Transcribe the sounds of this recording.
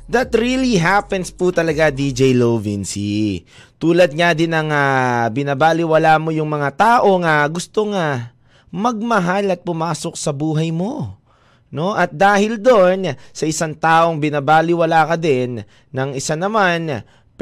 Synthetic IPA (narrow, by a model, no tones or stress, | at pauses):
d̪ɐt̪ɾiliɦapɛnsput̪ɐlɐɡad̪id͡ʒɛjlovinsi | t̪uːlɐd̪̚ŋad̪ɪnɐŋabɪnabaːlɪwɐlaːmo̞jʊŋmɐŋat̪aːʔo̞ŋɐɡʊst̪oŋɐ | mɐɡ̚mɐɦalɐt̪̚pʊmaːso̞k̚sɐbuːɦɐjmo̞ | no̞ʔɐt̪̚d̪aːhɪld̪onsɐʔɪsaŋt̪aːʔo̞ŋbɪnabaːlɪwɐlaːkɐd̪ɛnː | ɐŋɪsanɐman